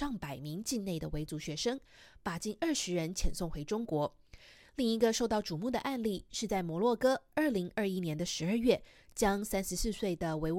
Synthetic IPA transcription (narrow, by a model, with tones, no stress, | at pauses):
ɑ˥˩ŋpa˨˩ɪmi˧˥ŋt͡ɕi˥˧nne˥˩ɪd̪ə˩we˧˥ɪt͡su˧˥ɕɥɛ˧˥ʂɤ˥ŋ | pa˨˩t͡ɕi˥˧nə˞˥˩ʂɻ̩˧˥ɻə˧˥nt͡ɕʰjɛ˨˩nsʊ˥˩ŋxwe˧˥ɪʈ͡ʂʊ˥ŋkwɔ˧˥ | li˥˩ŋi˧˥ɡə˧ʂo˥˧ʊt̪ɑ˥˩ʊʈ͡ʂu˨˩mu˥˩d̪ə̰˩ʔa˥˧nli˥˩ʂɻ̩˥˧t͡sa˥˩ɪmwɔ˧˥lwɔ˥˩kɤ˥ə˞˥˩li˧˥ŋə˞˥˩i˦˥njɛ˧˥nd̪ə˧ʂɻ̩˧˥ə˞˥˧ɥɛ˥˩ | t͡ɕjɑ˥ŋsæ˥nʂɻ̩˧˥s̩˥˧swe˥˩ɪd̪ə˩we˧˥ɪ